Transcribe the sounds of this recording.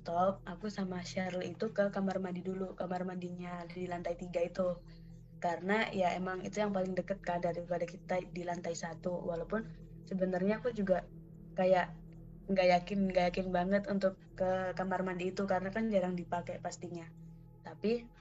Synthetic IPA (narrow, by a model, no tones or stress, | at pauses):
t̪ɔp̚akusamaʃaɾəlit̪ukəkamarmadidulukamarmadiɲadilant̪ait̪iɡait̪u | kaɾənajaemaŋḭt̪ujaŋpalɪŋdəkət̪̚kadaɾipadakit̪adilant̪aisat̪uwalawpʊn | səbənarɲaːkud͡ʒuɡa | kajaʔ | ɡajakɪnɡajakɪnbaŋət̪unt̪ʊkːəkamarmadiːt̪ukaɾənakand͡ʒaɾaŋdipakɛpast̪iɲa | t̪api